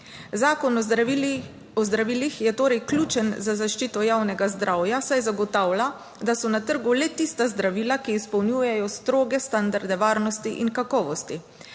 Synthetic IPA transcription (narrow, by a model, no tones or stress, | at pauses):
zaːkɔnɔ | ɔzd̪ɾaʋiːlixjɛt̪oːɾɛjklʲuːt͡ʃənzazaʃt͡ʃiːt̪ɔjawnɛɡazd̪ɾʔawjasajzaɡɔt̪awla | d̪asɔnat̪əɾɡulɛt̪ist̪azd̪ɾaʋiːlakiːspɔwnjuːjɛjɔst̪ɾoːɡɛst̪and̪aɾd̪ɛʋaːɾnɔst̪iʔiŋkakɔːʋɔst̪i